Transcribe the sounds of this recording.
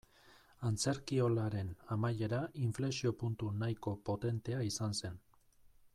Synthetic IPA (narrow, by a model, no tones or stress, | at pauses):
ant͡se̞ɾkio̞laɾe̞namaje̞ɾaiɱfle̞sio̞punt̪unajko̞po̞t̪e̞nt̪e̞aisanse̞n